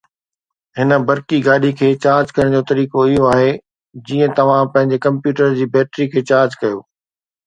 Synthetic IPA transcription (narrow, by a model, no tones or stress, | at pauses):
ɦɪnə̆bɐɾkiɡaːɗikʰeːt͡ɕaːɾd͡ʑkɐəɽ̃d͡ʑoːt̪ɐɾiːkoɪɦoaːɦe | d͡ʑiːə̃t̪ɐʋ̤ãpɐ̃ɦɪ̃ɲd͡ʑekɐ̃mpjuːʈəɾd͡ʑiːbɛːʈɾikʰeːt͡ɕaːɾd͡ʑkɐjoː